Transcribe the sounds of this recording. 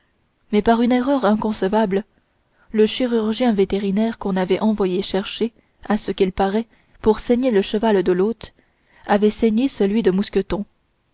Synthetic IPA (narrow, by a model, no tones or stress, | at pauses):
mɛpaʁynɛʁœʁɛ̃kɔ̃səvabl | ləʃiʁyʁʒjɛ̃vet̪eʁinɛʁkɔ̃navɛʔɑ̃vwajeʃɛʁʃe | asəkʲilpaʁɛ | puʁsɛɲeləʃəvald̪əlot̪ | avɛsɛɲesəlɥid̪əmuskʲət̪ɔ̃